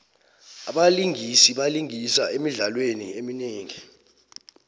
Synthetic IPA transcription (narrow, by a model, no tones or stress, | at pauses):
aɓaliŋisiɓaliŋisaemiɮalwenḭemineːŋi